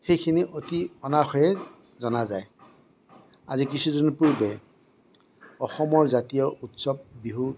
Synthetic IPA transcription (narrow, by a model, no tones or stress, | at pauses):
xejkʰiniʔotiɔnaxɔjɛ | zɔnazaj | azikisuzɔnpuɹbɛ | ɔxɔmɔɹzatijɔʔutsɔb̚ːiɦu